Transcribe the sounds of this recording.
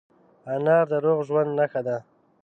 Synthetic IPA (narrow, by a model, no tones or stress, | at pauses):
anɑɾd̪əɾoɣʒwand̪naxad̪a